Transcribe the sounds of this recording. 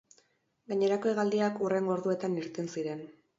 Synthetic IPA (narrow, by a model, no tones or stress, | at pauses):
ɡaɲe̞ɾako̞eɣald̪iakure̞ŋɡoɾðue̞t̪aniɾt̪ensiɾe̞n